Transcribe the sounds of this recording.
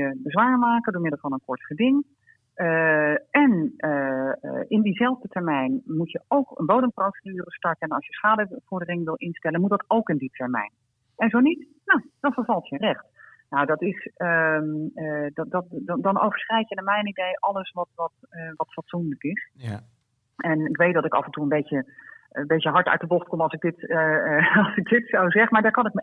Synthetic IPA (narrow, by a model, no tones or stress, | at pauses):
əbəzʋaːɹmaːkəndʊːɹmɪdəlˠvɑnənkɔɹtχədɪŋ | əɛnə | ɪndizɛlˠvdətɛɹmɛjnmutjəowkə̰nbowdəmprotnyːrəstɑɹkəɛnɑ̰sjəsχaːdəv̥ɔɹdərɪŋʋɪlˠʔɪnstɛlənmutdɑtowkɪnditʰɛɹmɛ̰jn | ɛnzownit | nowd̥ɑnvəɹvɑlˠtjərɛχtnowdɑtɪsəməddɑdɑno̰wvəɹsχrɛjkjənamɛjnidejʔɑlˠəsʋɑtʋɑtʋɑtfɑtsundləkɪs | ɛnɪkʋejt̚dɑtɪkɑ̰fəntuənbejəbejtjəɦɑɹtœ̰ɥtdəboxtkomɑlˠsɪɡ̚dɪt | ɑlˠsɪk̚dɪtsowzɛχəmaːɹdaːkɑnɪk̚mə